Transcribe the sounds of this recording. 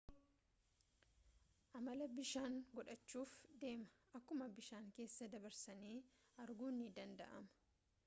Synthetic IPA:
ʔɐmɐlɐbɪʃaːŋɡɔᶑɐt͡ʃːuːfd̪e̞ːmɐ̥ʔɐkːʊmɐbɪʃaːŋke̞ːsːɐd̪ɐbɐɾsɐniː | ʔɐɾɡuːnːɪd̪ɐnd̪ɐ̰ʔɐmɐ

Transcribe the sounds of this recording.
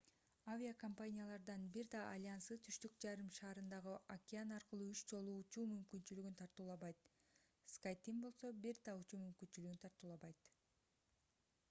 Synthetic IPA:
avʲiakompanʲijalˠɑɾd̪ɑnbiɾd̪ɑːlʲansɯt̪ʰyʃt̪ykd͡ʒɑɾɯmʃɑːɾɯnd̪ɑʁɯakʲɪanɑɾqɯlˠuːyt͡ʃd͡ʒo̞lˠuːt͡ʃuːmymkynt͡ʃylyɡynt̪ʰɑɾt̪uːlˠɑβɑjt̪ | skajt̪imbo̞lˠso̞biɾd̪ɑut͡ʃuːmymkynt͡ʃylyɡynt̪ʰɑɾt̪uːlˠɑβɑjt̪

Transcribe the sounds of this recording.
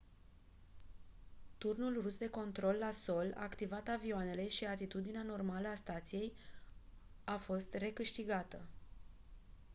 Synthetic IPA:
t̪urnulrusd̪e̞ko̞nt̪ɾo̞lːaso̞la̰ːkt̪ivat̪avioane̞le̞ʃiat̪it̪ud̪ineano̞rmaləast̪at̪sije̞j | afo̞st̪re̞kɨʃt̪iɡat̪ə

